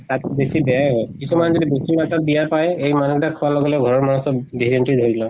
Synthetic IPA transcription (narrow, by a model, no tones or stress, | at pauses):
takbesibɛjajɦɔjkisumanzɔdibesimatat̚bijapajejmanuktakʰɔwalɔɡɔlɛɡʱɔɹɔɹmanusɔbbeɹienʈid̪ʱoɹilɔ